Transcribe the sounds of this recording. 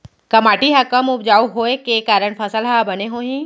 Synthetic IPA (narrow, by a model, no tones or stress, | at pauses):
kɐmaːʈiɦɐkəmʊpd͡ʒaːuɦoːekekaːɾəɽ̃pʰɐsəlɦabɐneɦoːɦĩ